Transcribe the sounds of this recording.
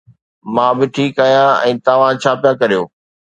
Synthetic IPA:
mãːbɪʈʰiːkaːɦijãɛ̰̃ːt̪aʋ̤ãt͡ɕʰaːpijakɐɾijoː

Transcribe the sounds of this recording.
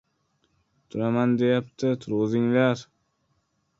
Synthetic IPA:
t̪ʰʊɾamand̪e̞jap̚t̪ʰɪt̪ʰʊɾʁɨzɪŋlaɾ

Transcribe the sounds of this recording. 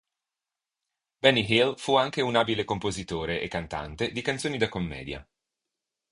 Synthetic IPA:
bɛnːiɦilfuaŋkeunaːbilekompozit̪oːɾeʔekːant̪a̰nt̪ed̪ikant̪soːnid̪akomːɛ̰ːd̪ja̰

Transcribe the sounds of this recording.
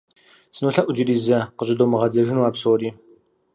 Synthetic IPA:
sɨnuɬɐʔʷʊd͡ʒɪɾiːzɐqəɕʷʼɪdoːmɨʁɐd͡zɐʒɪnuaːbsoːɾiː

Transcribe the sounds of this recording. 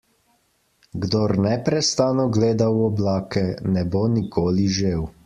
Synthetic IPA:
ɡd̪oɾnɛpɾɛst̪aːnɔɡleːd̪awɔblaːkɛnɛbonikoːliʒew

